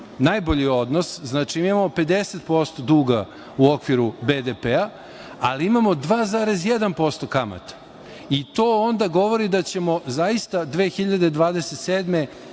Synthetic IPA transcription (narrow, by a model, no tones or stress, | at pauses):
najbo̞ʎio̞d̪nosznaːt͡ʂimiimamo̞pe̞d̪e̞set̪̚po̞st̪o̞d̪uːɡa | uo̞kʋiɾubed̪epea | aliimamo̞d̪ʋaːzaːɾe̞zje̞d̪anpo̞st̪o̞kama̰t̪ḁ | it̪o̞ːond̪aɡo̞ʋo̞ɾid̪at͡ɕe̞mo̞zaist̪ad̪ʋe̞ːxiʎad̪e̞d̪ʋaːd̪eset̪seːd̪me̞